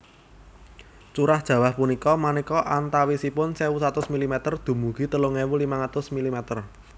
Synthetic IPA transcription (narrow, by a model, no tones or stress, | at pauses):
t͡ʃuɾahd̥ʒ̥ä̤wahpunikɔmanikɔʔant̪awisipʊnsewusat̪ʊsmilimɛt̪ərd̪̥ṳmuɡ̥i̤t̪əloŋewulimaŋat̪ʊsmilimɛt̪ər